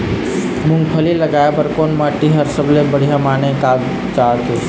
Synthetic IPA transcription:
muŋɡpʰəliləɡaepəɾkonmaʈiɦəɾsəblebəɽ̤ijamanekab | t͡ʃat̪e

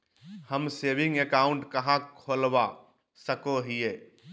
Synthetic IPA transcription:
həmsebĩŋɡekaʊɳʈkəɦãkʰolba | səkoɦije

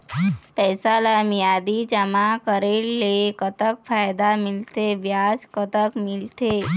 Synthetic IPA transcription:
pɛːsalamijad̪id͡ʒəmakəɾelːekət̪əkfajd̪amɪlt̪eʋjaskət̪əkmɪlt̪e

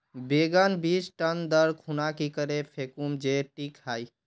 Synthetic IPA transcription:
beɡənbid͡ʒʈənd̪əɾkʰunakikəɾepʰekumd͡ʒeʈikhaj

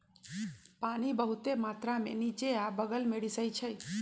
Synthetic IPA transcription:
panibəɦut̪emat̪ɾamḛ̃nit͡ʃeabəɡəlmeɽisəjt͡ʃʰəj

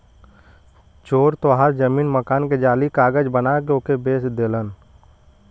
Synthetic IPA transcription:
t͡ʃoːɾt̪oɦaːɾd͡ʒəmiːnməkaːnked͡ʒaːlikaːɡəd͡ʒbənakeokebeːsd̪eːlən

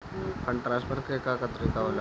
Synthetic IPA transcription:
kʰəɳʈɾaːsbəɾkekakət̪ɾik̪aɦoːla

